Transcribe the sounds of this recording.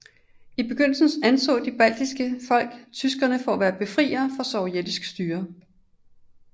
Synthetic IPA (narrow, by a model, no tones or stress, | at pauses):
ib̥e̝ɡ̥øn̰l̩sn̩sænsʰɔ̰̽ːd̥ib̥æl̰d̥isɡ̥əfɒ̽l̰ɡ̥t͡sʰysɡ̥ɐnəfɒæʋæːɐb̥e̝fʁḭːɐfɒ̽sɒʊied̥isɡ̥sd̥yːɐ